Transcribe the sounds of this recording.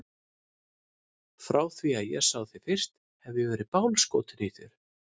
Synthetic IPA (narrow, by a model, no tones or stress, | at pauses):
fɾaːwθviaðjɛɣsaːwθi̥fɪr̥st̪ | hɛvjɛvɛːɾɪpawnskoːwt̪ɪniθʏɾ̥